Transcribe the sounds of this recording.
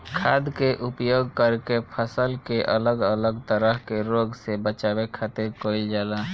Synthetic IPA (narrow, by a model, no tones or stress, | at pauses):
kʰaːd̪keʔʊpjoːɡkəɾkepʰəsəlkeʔələɡələɡt̪əɾəɦkeɾoːɡsebət͡ʃaːbekʰat̪eɾkoːɪld͡ʒaːla